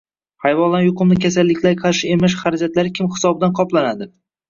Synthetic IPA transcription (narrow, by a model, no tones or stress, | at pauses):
hajvɒlˠːanjʊqʊmnɪkʲʰasalːɪkʲlaɾqʰɑɾʃɪemaʃ̬χaɾad͡ʒat̪laɾɪkʲʰɪmhɪ̥sɒbɪd̪anqʰɒplanad̪ɪ